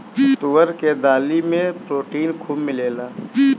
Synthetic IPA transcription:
t̪ʊʋəɾked̪aːlimẽpɾoːʈiːnkʰuːmːɪleːlaː

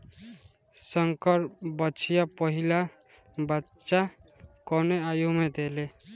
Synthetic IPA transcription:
səŋkəɾbət͡ʃʰijapəɦila | bətːʃakɔneajumed̪ele

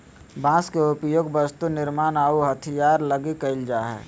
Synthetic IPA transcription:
bãːskeʊpjoːɡbəst̪unɪɾmaːnaːuɦət̪ʰijaːɾləɡikəɪld͡ʒaːɦɛ̰ː

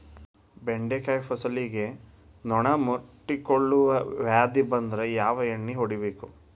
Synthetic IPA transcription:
beɳɖekajfɐsɐliɡe̞ | nɔɳɐmuʈːikoɭːuʋɐʋjaːd̪ibɐnd̪ɾejaːʋɐjɐɳːiɦoɽibeːku

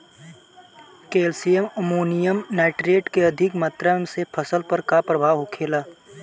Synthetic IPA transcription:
keːlsijəməmuːnijəmnɛːʈɾeːʈkeɐd̪ʱɪkmaːt̪ɾamsepʰəsəlpəɾkapɾəbʱaːɦokʰeːlaː

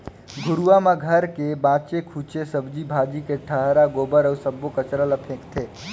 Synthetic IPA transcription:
ɡʱʊɾuwamaɡʱəɾkebaːt͡ʃekʰut͡ʃesəbd͡ʒibʱaːd͡ʒikeʈʰəɦɾaɡoːbəɾəusəbokət͡ʃɾələpʰẽːkt̪ʰe

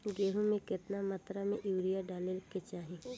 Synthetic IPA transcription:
ɡeːɦũmẽkɪt̪namat̪ɾamẽʔuːɾijaɖaːnelket͡ʃaːɦẽː

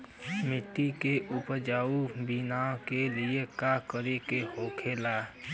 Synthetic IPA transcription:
mɪʈ̪ːikeʔʊpəd͡ʒaːubɪnãːkeliekakəɾekehoːkʰeːlaː

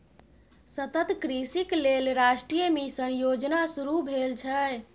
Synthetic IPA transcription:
sət̪ət̪kɾisiklelɾasʈɾijəmesə̃jod͡ʒnasuɾubʱelt͡ʃʰə

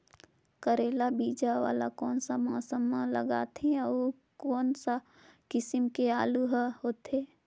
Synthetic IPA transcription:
kəɾeːlabiːd͡ʒaʋa̰ːla̰kɔːnsamãːsamãləɡa̰ːt̪eao | kɔːnsa | kɪsɪmkeaːluɦoːt̪eː

